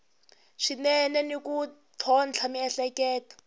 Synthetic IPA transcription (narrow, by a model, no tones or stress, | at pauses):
ʂinɛnɛnikutʰɔnt͡ɬʰamiɛɬɛkɛːtḁ